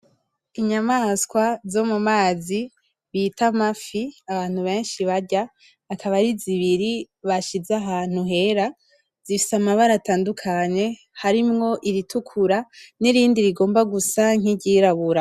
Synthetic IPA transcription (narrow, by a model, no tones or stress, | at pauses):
iɲamaskwazo̞mumaːzi | βitamafiaβaːn̥huβe̞ːnʃiβaɾɟaː | kaβaɾiziβiɾi | βaʃizaɦaːn̥huɦe̞ɾa | z̥ifi̥samaβaɾataːndukʰaɲe̞ | haɾimŋo̞ʔiɾitukʰuɾaniɾiːndiɾiɡo̞ːmbaɡusaŋ̥iɟiɾaβuɾa